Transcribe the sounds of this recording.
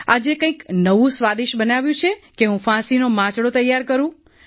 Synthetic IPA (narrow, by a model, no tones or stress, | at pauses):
ad͡ʒekə̃ĩknəʋũsʋad̪iʃbənaʋjũt͡ʃʰekeɦũfãsinomãt͡ʃɽot̪əjːaɾkəɾũ